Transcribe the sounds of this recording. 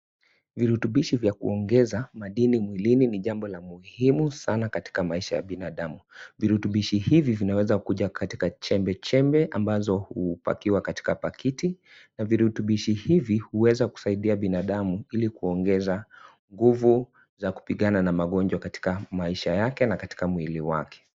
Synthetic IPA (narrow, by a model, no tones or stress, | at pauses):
viɾutuɓiʃivjakṵɔŋɡɛzamaɗinimwilininiʄambɔlamuhimusanakati̥kamaiʃaja̰ɓinaɗamuviɾutuɓiʃihivivinawɛzakuʄakʰati̥kat͡ʃɛmbɛt͡ʃɛmbɛʔambazɔhupa̰kiwakati̥kapakiti | naviɾutuɓiʃihivihuwɛzaku̥saiɗiaɓinaɗamuilikuɔŋɡɛza | ŋɡuvu | zaku̥piɠananamaɠɔnd͡ʒwakati̥kamaiʃajakɛnakati̥kamwiliwa̰kʰɛ̥